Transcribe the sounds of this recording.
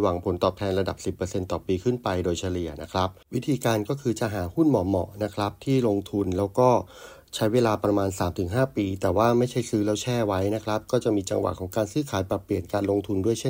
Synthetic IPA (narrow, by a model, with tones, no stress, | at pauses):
wa˨˩ŋpʰo˨˩˦nt̪ɔː˨˩t̪ʰɛː˧nɾa˧da̰˨˩p̚si˨˩pːɤː˧se˧nt̪ɔː˨˩piː˧kʰɯ˥˩npa˧jdoː˧jt͡ɕʰa˧li˨˩əna˦˥kʰɾa˦˥p̚wi˦˥t̪ʰiː˧kaː˧nkɔː˥˩kʰɯː˧t͡ɕa˨˩ʔɦaː˩˦hu˥˩nmɔ˨˩mɔ̰˨˩na˦˥kʰɾa˦˥p̚t̪ʰiː˥˩lo˧ŋt̪ʰu˧nlɛː˦˥wkɔː˥˩ | t͡ɕʰa˦˥jweː˧laː˧pɾa˧maː˧nsaː˩˦mt̪ʰɯ˨˩˦ŋɦaː˥˩piː˧t̪ɛː˨˩waː˥˩ma˥˩jt͡ɕʰa˥˩jsɯː˦˥lɛː˦˥wt͡ɕʰɛː˥˩wa˦˥jna˦˥kʰɾa˦˥p̚kɔː˥˩t͡ɕa˨˩ʔmiː˧t͡ɕa̰˧ŋwa̰˨˩kʰɔː˩˦ŋkaː˧nsɯː˧˥˩kʰaː˩˦jpa˨˩pli˨˩ənkaː˧nlo˧ŋt̪ʰu˧ndu˥˩əjt͡ɕʰe˥˨